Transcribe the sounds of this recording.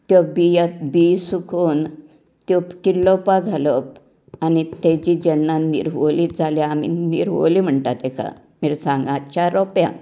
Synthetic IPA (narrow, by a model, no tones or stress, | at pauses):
t̪jɔbijəbisukʰuːn | t̪jɔkilːɔpad͡zʱaləp | anit̪ɛ̃d͡ʑid͡ʑɛnːanḭɾʋoliːt̪d͡zʱaljaːmḭnḭɾʋo̰lim̤əɳt̪at̪ɛkʰa̰ | miɾsãŋɡat͡ɕaɾɔpjã̰